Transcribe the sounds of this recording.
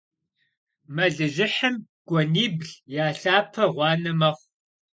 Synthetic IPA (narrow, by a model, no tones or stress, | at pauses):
mɐɮɨʒɪħəm | ɡ̥ʷɔniːbɮjaːɬaːpʰɐʁʷɑːnɨmɐχʷ